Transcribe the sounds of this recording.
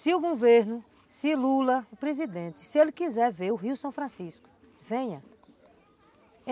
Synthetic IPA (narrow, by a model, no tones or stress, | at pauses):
sɪuɡoveɾnʊ | sɪlulɐʊpɾezid̪ẽt̪ɪ̥sielɪkizɛɾveɾʊɦiusɐ̃w̃fɾɐ̃siskʊ̥ | vẽɲɐ̃